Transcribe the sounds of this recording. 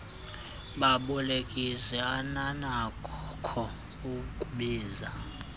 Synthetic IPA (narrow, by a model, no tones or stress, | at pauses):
ɓaɓɔlekʼisɛananakʰɔ | uukʼuɓeːza